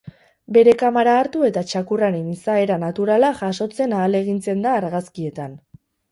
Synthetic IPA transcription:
be̞ɾe̞kamaɾaːɾt̪ue̞t̪at͡ʃakuraɾenisae̞ɾanat̪uɾalaʝaʃo̞t͡se̞naːle̞ɣ̞int͡se̞nd̪aːɾɣaskie̞t̪an

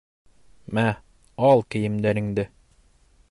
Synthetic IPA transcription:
mæ | ɑlˠkɘ̆jɘ̆md̪æɾɘ̆ŋd̪ɘ

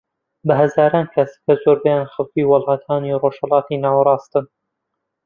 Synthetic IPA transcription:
bɐɦɐzaːɾɑːnkʰɐskɐzoːɾbɛjanxɐlkiwɑlˠhɑt̪ʰaːniroːʃhɐlɑːt̪iːnaːwɾˤɑːst̪ɨn

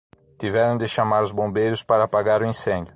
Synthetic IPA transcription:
t̪ivɛɾɐ̃w̃d̪ɪʃamaɾʊzbõmbejɾʊspaɾɐaːpaɡaɾʊĩsẽnd̪jʊ

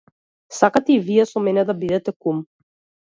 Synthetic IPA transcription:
sakat̪ɛiviɛsɔmɛnɛd̪abid̪ɛt̪ɛkum

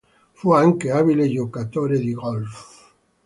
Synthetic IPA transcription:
fuaŋkeaβileʒokat̪oɾeðiɣolf

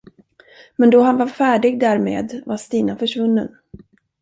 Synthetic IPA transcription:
mɛnd̪ɔɦanvaɾfæːɖɪɡ̚d̪æɾmḛːd̪vast̪iːnafœʂvɵnːə̰n

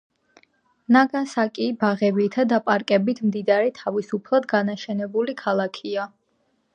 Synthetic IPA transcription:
naɡasakʼibaʁɛbit̪ʰad̪apʼaɾkʼɛbit̪ʰmd̪id̪aɾɛt̪ʰavisupʰlˠad̪ɡanaʃɛnɛbulikʰalˠakʰia

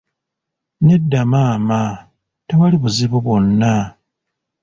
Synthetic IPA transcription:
ne̞dːamaːma | tewaliβuziβuβo̞nːa

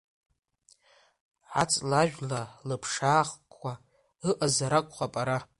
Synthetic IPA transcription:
ʕat͡sʼlaʒᶣlalɨpʰʂaːχkʷa | ɨʔazaɾakʷʼχapʼaɾa

